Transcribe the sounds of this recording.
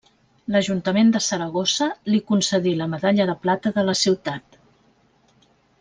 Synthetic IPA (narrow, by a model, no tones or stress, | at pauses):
ləʒunt̪əmend̪əsəɾəɣ̞osəlikunsəðiləməðaʎəðəplat̪əðələsiwt̪at̪